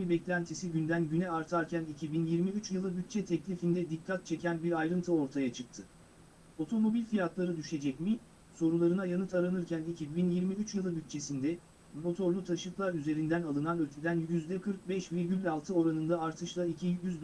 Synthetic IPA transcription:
ibɛclʲænt̪ʰisiɟynd̪ænɟynɛaɾt̪ʰaɾcʰænicʰibinjiɾmiyt͡ʃjɯlˠɯbyt̪̚t͡ʃʰɛt̪ʰɛclʲifind̪ɛd̪ic̚kʰːat̪̚t͡ʃʰecʰænbiɾajɾɯnt̪ʰɯo̞ɾt̪ʰajat͡ʃʰɯk̚t̪ʰɯ | o̞t̪ʰo̞mo̞bilʲfijat̪lˠaɾɯd̪yʃe̞d͡ʒɛcmi | so̞ɾulˠaɾɯnajanɯt̪aɾanɯɾcʰʲænicʰibinjiɾmiyt͡ʃjɯlˠɯbyt̪̚t͡ʃʰe̞sind̪ɛ | mo̞t̪ʰo̞ɾlʲˠut̪ʰaʃɯklˠaɾyze̞ɾind̪ænalˠɯnanøt̪ʰed̪ænjyzd̪ɛkʰɯɾk̚bɛʃviɾɟylʲːalˠt̪ʰɯo̞ɾanɯnd̪aaɾt̪ʰɯʃlˠaicʰijyzd̪

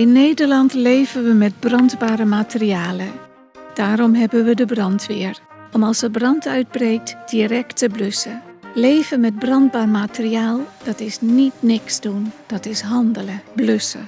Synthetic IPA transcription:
ɪnːejdəɹlɑntlejvənʋəmɛt̚brɑndbaːɾəmatəriaːlə | d̥aːɾɔmɦɛbənʋədəbrɑntʋɪːəɹ | ʔɔmɑlˠsəbrɑntʰœɥd̚brejk̚td̥irɛktəbløsəlejvəmɛt̚brɑnd̚baːrmatəriaːlˠd̥ɑtɪsnitnɪksdund̥ɑtɪsɦɑndələblɵsə̰

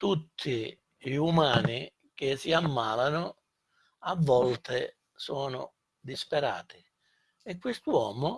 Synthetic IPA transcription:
t̪ut̪ʰːi | ʎumaːni | k̟ɪsiamːaːlanʊ | avːɔlt̪ɪ | sɔːnʊ̰ | d̪ispɛɾa̰ːt̪ɪ̥ | ɛkːwɪst̪uɔːmʊ

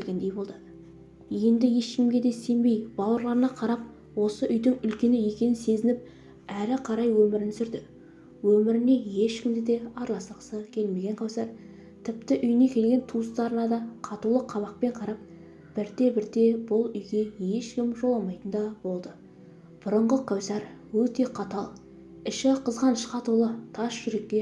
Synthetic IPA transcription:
lɡʲend̪ejbo̞lˠd̪ə | je̞nd̪ɪje̞ʃkʲɪmɡʲe̞d̪e̞se̞mbe̞jb̥ɑwəɾlˠɑɾənɑqʰɑɾɑp̚ | wo̞səʔʏjd̪ɪŋʏlkʲe̞nɪje̞kʲe̞nɪnse̞zɪnɪp̚ | æɾɪqʰɑɾɑjwɵmɪɾɪnsʏɾd̪ɪ | wɵmɪɾɪne̞je̞ʃkʲɪmd̪ɪd̪e̞ɑɾlˠɑsqsəkʲʰe̞lme̞ɡʲe̞ɴqʰɑwsɑɾ | t̪ʰɪpt̪ɪʔʏjɪne̞kʲʰe̞lɡʲe̞nt̪ʰust̪ɑɾənɑd̪ɑqʰɑt̪ulˠəqʰːɑβɑq̚pe̞ɴqʰɑɾɑp̚ | b̥ɪɾd̪e̞bɪɾd̪e̞bʊlˠʏjɡʲe̞je̞ʃkʲɪmʒo̞lˠɑmɑjt̪ənd̪ɑbo̞lˠd̪ə | b̥ʊɾəɴʁəqʰɑwsɑɾ | wɵt̪e̞qʰɑt̪ɑlˠ | ɪʃɪqʰəzʁɑnʃqɑt̪ulˠət̪ʰɑsʒ̥ʏɾe̞kʲːe̞

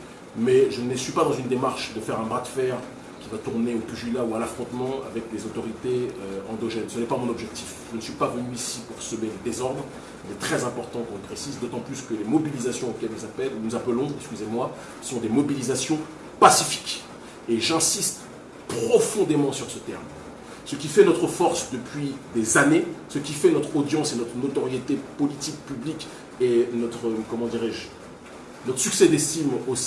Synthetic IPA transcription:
mɛʒənəsɥipad̪ɑ̃zynd̪emaʁʃd̪əfɛʁɛ̃bʁad̪fɛʁ | kʲivat̪uʁneopyʒylaualafχɔ̃t̪mɑ̃a̰vɛk̚d̪ezot̪ɔʁit̪eøɑ̃d̪ɔʒɛnsənɛpamɔ̃nɔbʒɛk̚t̪ʰifʒənsɥipavənyisipuʁsəmeləd̪ezɔʁd̪ʁ | ɛlɛt̪χɛzɛ̃pɔʁt̪ɑ̃k̪ɔ̃ʒəpχesizd̪ot̪ɑ̃plyskəlemɔbilizasjɔ̃okʲɛlelzapɛlunuzapəlɔ̃ɛkskʲyzemwa | sɔ̃d̪emɔbilizasjɔ̃ | pasifi̥k | eʒɛ̃sist̪ | pχɔfɔ̃d̪emɑ̃syʁsət̪ɛ̰ʁm | səkʲifɛnɔt̪χəfɔʁsd̪əpɥid̪ezanesəkʲifɛnɔt̪χod̪jɑ̃senɔt̪χənot̪ɔʁjet̪epɔlit̪ik̚pyblikʲ | enɔt̪χəkɔmɑ̃d̪iʁɛʒ | nɔt̪χəsyksɛd̪est̪imos

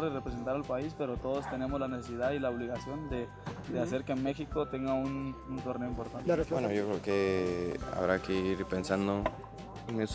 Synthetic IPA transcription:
ɾðerepɾes̬e̞nt̪aɾalpaispe̞ɾo̞t̪o̞ðo̞st̪e̞ne̞mo̞zlanesesiðaðilaoβliɣasjo̞nd̪e̞ | d̪eas̬e̞ɾkeme̞xiko̞t̪e̞ŋɡaununt̪o̞rneoimpo̞ɾt̪anwenojokɾeoke | a̰βɾakeiɾpensand̪o | enes

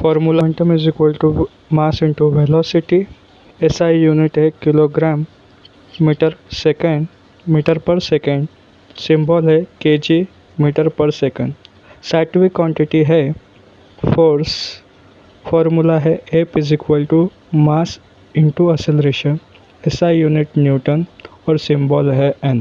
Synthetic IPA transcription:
fɔɾmulaɳʈəmizikʋəlʈu | masiɳʈuʋelɔsiʈi | esaijuniʈɦɛkiloɡɾamː | iʈəɾsekeɳ | miʈəɾpəɾsekə̃ɳɖ | simbɔlɦɛked͡ʑi | miʈəɾpəɾsekə̃ɳɖ | saʈʋikwɔ̃ːɳʈiʈiɦe | fʰoɾs | fɔːɾmulaɦɛepizikʋəlʈu | mas | ɪɳʈuɐselɾeʃən | esaijuːniʈnjuʈən | ɔːɾsĩmbɔːlɦɛẽn

